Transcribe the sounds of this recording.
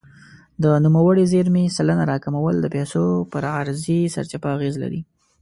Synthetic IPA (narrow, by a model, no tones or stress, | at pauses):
d̪ənumawəɽizeɾmesalənaɾɑkamawəld̪əpɛsopəɾaɾzisa̰ɾt͡ʃapaaɣezla̰ɾḭ